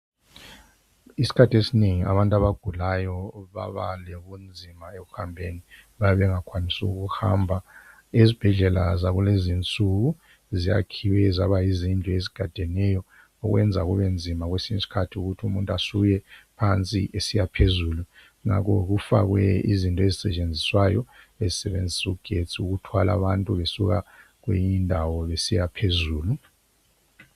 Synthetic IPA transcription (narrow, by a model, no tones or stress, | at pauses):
isi̥kʰatʰiesineŋia̰βantʼaβaɡ̥ʱulajɔβa̰βa̰leɣund͡zʱimaeɣuhambʱeniβajaβɛŋakʰwanisuɣuhambʱa | izib̥ʱɛɮɛlazaɣulezint͡sʼuɣu | zija̰kʰiwɛzaβaizintʼɔeziɡ̥ʱad̥ʱɛnɛjɔ | ɔɣwɛnd͡zʱaɣuβend͡zʱimaɣ̬wesiɲisi̥kʰatʰiuɣutʰumuntʼasujɛpʰant͡sʼḭʔesijapʰezuːlu | ŋa̰k̬ʰɔk̬ufakwɛḭzintʼɔezisɛt͡ʃʼend͡zʱiswajɔ | ezisɛβend͡zʱisuuɡ̥ʱet͡sʰʼiuɣ̬utʰwalʔa̰βantʼuβesuɣa̰ | k̬wḛjindʱawɔβesijapʰezuːlu